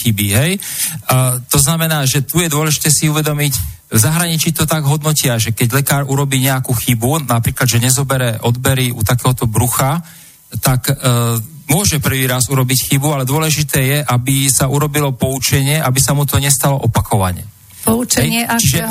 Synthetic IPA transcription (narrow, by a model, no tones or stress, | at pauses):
xibiɦɛj | t̪ɔznamɛnaːʒɛt̪ujɛd̪ʊɔlɛʒit̪ɛːsiuʋɛd̪ɔmic | vzaɦɾaɲit͡ʃit̪ɔt̪aɡɦɔd̪nɔcɪaʒɛkɛɟlɛkaːɾuɾɔbiːɲɛakuːxibunapɾiːklad̪ʒɛɲɛzɔbɛɾɛʔɔd̪bɛɾiut̪akɛːɦɔt̪ɔbɾuxa | t̪ak | mʊɔʒɛpr̩ʋiːɾazuɾɔbicxibualɛd̪ʊɔlɛʒit̪ɛːjɛʔabisauɾɔbilɔpɔut͡ʃɛɲɪɛʔabisamut̪ɔɲɛst̪alɔʔɔpakɔʋa̰ɲɛ̰ | pɔut͡ʃɛɦɛjɲɪɛʔt͡ʃiʒɛ